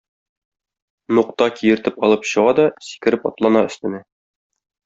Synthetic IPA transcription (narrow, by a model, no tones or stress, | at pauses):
nuqt̪ɑkʰijɘ̆ɾt̪ɘpɒlˠɤpɕɤ̆ʁɑd̪ɒsi̥kɘ̆ɾɘpɒ̰t̪lˠɑnɑɵ̆st̪ɘ̆næ